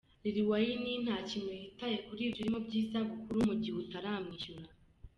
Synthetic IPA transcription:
ɾiɾiwajinin̥haːcimweitajekuɾiːbjiɾimo̞bɟiːzaɡukuɾumuɟihutaɾaːmŋiːʃuɾa

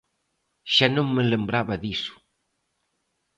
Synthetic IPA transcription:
ʃanoŋmələmbɾaβɐðisu̥

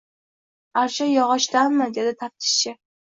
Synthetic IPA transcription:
aɾʃajɒʁɒʃt̪anːad̪ed̪ɪt̪ʰap̚t̪ʰɪ̥ʃt͡ʃʰɪ

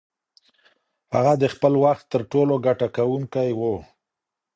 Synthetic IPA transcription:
haɣad̪əxpəlwaxt̪ːəɾʈoloɡaʈakawuŋkajwo

